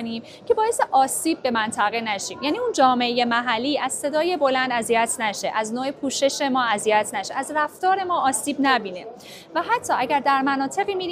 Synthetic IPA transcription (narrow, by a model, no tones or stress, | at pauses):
niːm | cʰe̞bɒːjeseʔɒːsiːbːe̞mænt̪ʰæɣenæʃiːmjæːniːund͡ʒɒːme̞eje̞mæɦælːiːʔæz̥se̞d̪ɒːje̞bo̞lænd̪æzijæt̪ʰnæʃeʔæznoːepʰuːʃe̞ʃe̞mɒːæzijæt̪ʰnæʃe̞ʔæzræft̪ɒːɾe̞mɒːɒːsiːbnæbiːne̞ | væɦæt̪ʰːɒːʔæɟæɾd̪æɾmænɒːt̪ʰe̞ɣiːmiːɾi